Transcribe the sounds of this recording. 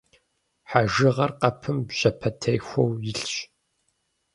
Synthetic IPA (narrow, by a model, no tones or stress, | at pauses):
ħaʒɨʁɐrqɐpʰɨmbʑɐpʰɐtʰɐjxʷowjɪɬɕʼ